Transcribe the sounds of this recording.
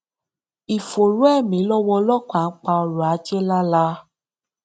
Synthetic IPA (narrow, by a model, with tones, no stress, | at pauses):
i˨fo˨ɾu˦ɛ˦˨mĩ˨˦lɔ˦wɔ˧lɔ˦ka˨n̩˦k͡pa˧ɔ˧ɾu˨a˨˦d͡ʒe˦la˦la˦